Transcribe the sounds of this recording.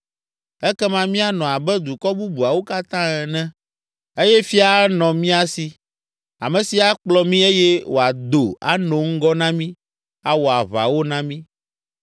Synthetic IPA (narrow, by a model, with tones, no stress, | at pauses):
ɛ˦kɛ˦mã˦mĩ˦a˨nɔ̃˨a˨bɛ˦d̪u˨kɔ˦bu˦bu˨a˨wo˦ka˦t̪ã˦ɛ˨nɛ̃˦ | e˦jɛ˦fi˦a˨˦nɔ̃˨mĩ˦a˦si˨ | a˨mɛ̃˨si˨a˨k͡plɔ˦mĩ˦e˦jɛ˦wo̰˨a˨d̪o˨a̰˦nɔ̃˨ŋ̩˦ɡɔ˦nã˦mĩ˦ | a˦wo˨a˨βa̰˨wo˦nã˦mĩ˦